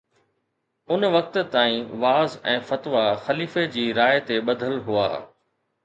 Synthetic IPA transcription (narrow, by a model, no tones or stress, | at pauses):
ʊnʋɐk̚t̪̆t̪aːĩʋaːzɛ̃ːfɐt̪ʋaxɐliːfed͡ʑiːɾaːjt̪eɓɐd̪ʱəlɦua̰ː